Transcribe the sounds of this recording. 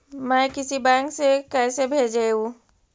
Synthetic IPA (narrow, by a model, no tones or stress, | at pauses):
mɛ̃ːkɪsibɛ̃ːŋksekɛːsebʱeːd͡ʒeũ